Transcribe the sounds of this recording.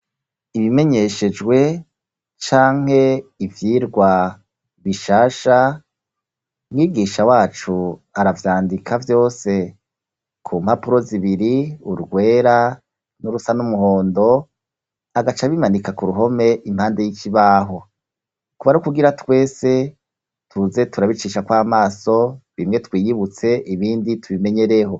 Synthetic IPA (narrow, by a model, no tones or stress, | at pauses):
iβime̞ɲe̞ʃe̞d͡ʒɡwe̞ | t͡ʃaːŋ̥he̞ivjiːɾɡwa | βiʃaːʃa | mŋiːɡiːʃawaːt͡ʃuaɾavjaːndikʰavjo̞ːse̞ | kʰuːmhapuɾo̞ziβiɾiuɾɡwe̞ːɾa | nuɾusanumuho̞ːndo̞ | aɡat͡ʃaβimanikakuɾuɦo̞me̞ʔimhaːnde̞jikiβaːɦo̞ | kuβaɾukuɡiɾatwe̞ːse̞ | tʰuze̞tʰuɾaβit͡ʃiːʃakwaːmaːso̞βimŋetwiːjiβut͡se̞ʔiβiːnditʰuβime̞ɲe̞ɾe̞ɦo̞